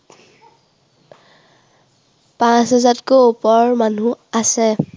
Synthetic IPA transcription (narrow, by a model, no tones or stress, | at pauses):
pãsazatkoupɔɹmanuasɛ